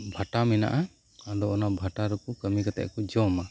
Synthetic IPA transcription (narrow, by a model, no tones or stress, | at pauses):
bʱaʈamɛna̰ʔa | adɔɔnabʱaʈaɾɔkɔkəmikat̪ɛ̰ʔkɔd͡ʒɔma